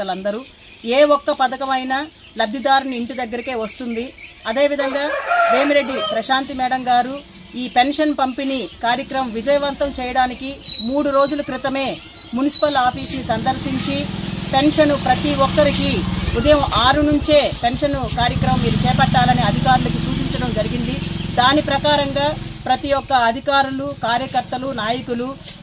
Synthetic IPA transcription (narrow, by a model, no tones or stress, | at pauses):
ɐlɐnd̪ɐɾu | eːɔkːɐpɐd̪ɐkɐmɐjnɐ | lɐb̪ʱjid̪aːɾniiɳʈid̪ɐɡːɐɾike̞ːʋɐst̪und̪iɐd̪e̞ːʋid̪ʱɐŋɡaːɾe̞ːmiɾe̞ɖːipɾɐʃaːnt̪imɛːɽɐŋɡaːɾu | iːpe̞nʂɐnpɐmpinikaːɾjɐkɾɐmɐmʋid͡ʒɐjɐʋɐnt̪ɐmt͡ʃɛːjɐɽaːnikimuːɽuɾo̞ːd͡ʒulɐkɾit̪ɐme̞ː | munisi̥pɐlaːpʰiːsnisɐnd̪ʱɐɾsiɲt͡ʃipe̞nʂɐnupɾɐt̪iʋɔkːɐɾikiud̪ɐjɐmʔaːɾunuɲt͡ʃe̞ːpe̞nʂɐnukaːɾjɐkɾɐmɐmːiːɾut͡ʃɛːpɐʈːaːlɐniɐd̪ʱikaːɾulɐkisuːt͡ʃiɲt͡ʃɐɽɐmd͡ʒɐɾiɡind̪id̪aːnipɾɐkaːɾɐŋɡaːpɾɐt̪ijɔkːɐːd̪ʱikaːɾulukaːɾjɐkɐɾt̪ːɐlunaːjɐkulu